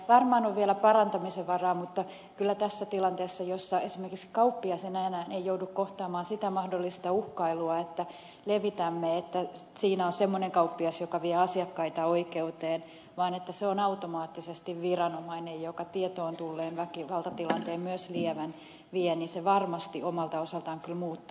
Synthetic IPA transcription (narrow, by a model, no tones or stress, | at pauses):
ʋɑrmɑːnoʋʋiɛlæpɑrɑnt̪ɑmiseʋʋɑrɑːmut̪ːɑ | kylːæt̪æsːæt̪ilɑnt̪eːsːɑjosːɑesimerkikskɑupːiɑsenæːnæːnejjoudukkoht̪ɑːmɑːnsit̪æmɑhdolːist̪ɑuhkɑiluɑet̪ːæ | leʋit̪æmːeet̪ːæ | siːnæonsemːoneŋkɑupːiɑsjokɑʋiɛɑsiɑkːɑit̪ɑoikeut̪eːn | ʋɑːnet̪ːæseonɑut̪omɑːt̪ːisest̪iʋʋirɑnomɑinejjokɑt̪iɛt̪oːnt̪ulːeːnʋækiʋɑlt̪ɑt̪ilɑnt̪eːmmyøsliɛʋæn | ʋiɛninseʋɑrmɑst̪iʔomɑlt̪ɑosɑlt̪ɑːŋkylmuːt̪ːu